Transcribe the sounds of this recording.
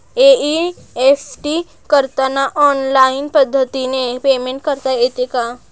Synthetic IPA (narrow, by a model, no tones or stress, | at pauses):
ei | eːfʈi | kəɾt̪anaʔɔːnlaːɪnpəd̪ʱːət̪inepeːmẽɳʈkəɾt̪aeːt̪eka